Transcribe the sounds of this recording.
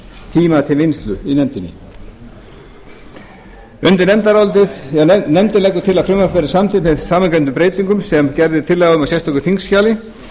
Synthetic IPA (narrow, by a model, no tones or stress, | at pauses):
t̪ʰiːmat̪ʰɪlvɪnst̪lʏ̰inɛmt̪ɪnːɪ̰ | ʏnt̪ɪɾnɛmt̪aɾalt̪ɪðɛnɛmt̪ɪlɛkːʏt̪ʰɪlaðfɾɪmakvɛɾɪsamt̪ɪt̪mɛðsaːmaŋkɛnt̪ʏmpɾeːjt̪iŋkʏmsɛmcɛɾðɪt̪ʰɪlːɛɣaðʏmasjɛjst̪ʰɔkʏ̥θiŋksːcaːlɪ